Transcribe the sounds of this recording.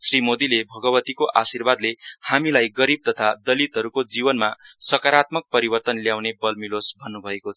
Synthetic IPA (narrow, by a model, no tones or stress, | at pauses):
srimod̪ilebʱʌɡʌbʌt̪ikoʔasirbad̪lehamilajɡʌɾib̚t̪ʌt̪ʰad̪ʌlit̪ɦʌɾukod͡zibʌnmasʌkaɾat̪mʌk̚pʌɾibʌrt̪ʌnljawnebʌlmilosbʱʌnːubʱʌekot͡sʰ